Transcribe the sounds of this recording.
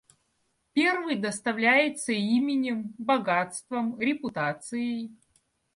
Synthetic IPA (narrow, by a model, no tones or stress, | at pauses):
pʲe̞rvɨjd̪əst̪ɐvlʲæjɪt̪səimʲɪnʲɪmbɐɡat̪st̪vəmɾʲɪpʊt̪at̪sɨjɪj